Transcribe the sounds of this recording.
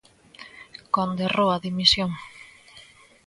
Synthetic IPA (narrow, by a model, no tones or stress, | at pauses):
kond̪erowaðimisjoŋ